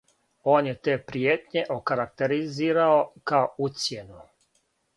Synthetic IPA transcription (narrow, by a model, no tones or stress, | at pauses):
o̞ːnjet̪eːpɾijeːt̪ɲe̞ʔokaɾak̚t̪eɾiziːɾaokaout̪sjenu